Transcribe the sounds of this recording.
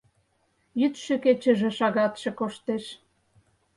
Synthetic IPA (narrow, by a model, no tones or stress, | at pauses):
jyt̪ʃø̆ket͡ɕə̆ʒĕʃɑɣɑt̪ʃĕkoʃt̪eʃ